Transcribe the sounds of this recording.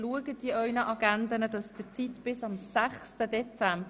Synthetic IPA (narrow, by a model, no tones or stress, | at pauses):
luəɡəd̥iœʏnəʔɑɡɛnd̪ənədɑsd̥ɪt͡sitb̥ɪsɑmsæχstəd̪ɛt͡sæmb